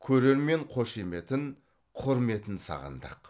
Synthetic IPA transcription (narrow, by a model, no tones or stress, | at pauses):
kʲʰɵɾe̞ɾme̞ɴqʰo̞ʃime̞t̪ɪn | qʰʊɾme̞t̪ɪnsɑ̰ʁə̰nd̪ɑ̰q